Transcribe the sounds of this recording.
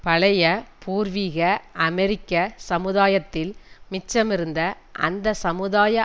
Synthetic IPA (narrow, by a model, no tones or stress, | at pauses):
pɐɭɐjɐpʰuːɾʋiːɣɐʔɐmɛɾɪkːɐsɐmɯðaːjɐt̪ːɪlmɪt͡ʃːɐmɪɾɯnd̪ɐ | ʔɐ̰nd̪ɐsɐmɯðaːjɐ